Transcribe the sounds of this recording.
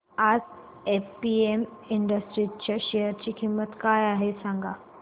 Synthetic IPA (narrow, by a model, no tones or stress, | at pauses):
ad͡z | epiemiɳɖəsʈɾit͡ɕaɕejəɾt͡ɕiːkʰimːət̪kajaɦesãŋɡa